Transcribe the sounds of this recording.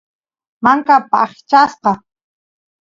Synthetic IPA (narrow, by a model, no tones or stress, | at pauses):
maŋkapaχt͡ʃasqɑ